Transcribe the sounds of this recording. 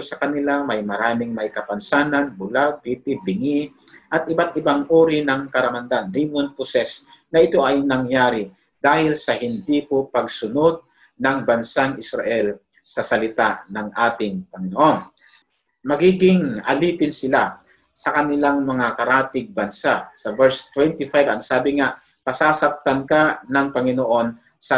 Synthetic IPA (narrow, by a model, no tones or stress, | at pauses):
osɐkɐnɪlamɐjmɐɾaːmɪŋmɐjkɐpɐnsaːnɐnbʊlad̪̚piːpɪbɪŋi | ʔɐt̪̚ʔɪbat̪ʔɪbaŋʔoːɾɪnɐŋkɐɾɐmɐnd̪andijmonpʊsɛsnɐʔɪt̪o̞ʔɐjnɐŋjaːɾɪ | d̪aːhɪlsɐɦɪnd̪ipopɐɡ̚sʊnod̪̚ | nɐŋbɐnsaŋʔɪsɾa̰ʔɛl | sɐsɐlɪt̪anɐŋʔaːt̪ɪŋpɐŋɪnoʔo̞n | mɐɡiːɡɪŋɐ̰liːpɪnsɪla | sɐkɐnɪlaŋmɐŋakɐɾaːt̪ɪɡ̚bɐnsasɐvɛɹst̪wɛnt̪ɪfajvɐŋsaːbɪŋaʔ | pɐsaːsɐp̚t̪ɐnkanɐŋpɐŋɪnoʔo̞n | sɐ